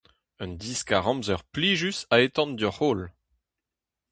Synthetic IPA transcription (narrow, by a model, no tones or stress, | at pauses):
œ̃nd̪iskaʁɑ̃mzœʁpliːʒysaet̪ɑ̃nd̪œʁoːl